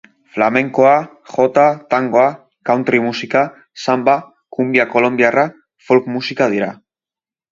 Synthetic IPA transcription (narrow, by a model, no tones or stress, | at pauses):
flame̞ŋkoa | xo̞t̪at̪aŋɡoa | kawnt̪ɾimusika | samba | kumbiako̞lo̞mbiara | folkmusikað̞iɾa